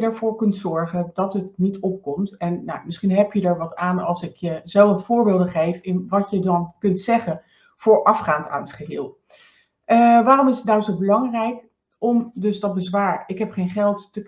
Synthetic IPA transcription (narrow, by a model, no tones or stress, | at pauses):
ədəɹv̥ʊːɹkɵntsɔɹχəndɑtətnitɔp̚kɔmtɛnːa̰wmɪsχinɦɛpjədaɹʋɑtaːnɑlˠsɪkjəzɛlɑtfʊːɹbɪːlˠdəχejfɪnʋɑtjədɑnkɵntsɛχən | fʊːɹʔɑfχaːnta̰ːnətχəɦɪːlˠ | ʋaːrɔmɪsətnawzowbəlɑŋrɛjk | ɔmdɵsdɑt̚bəzʋaːɹɪkɦɛpχejnχɛlˠtːək